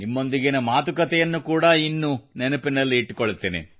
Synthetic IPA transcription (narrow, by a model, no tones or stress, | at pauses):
nimːo̞nd̪iɡenɐmaːt̪ukɐt̪ɛjɐnːukuːɽɐinːunɛnɐpinɐlːiːʈːukoɭːut̪ːeːnḛ